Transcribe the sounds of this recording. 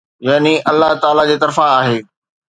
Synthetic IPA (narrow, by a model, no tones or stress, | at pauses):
jaːniʔɐlːaɦt̪aːlad͡ʑeːt̪ɐɾfaːɦeː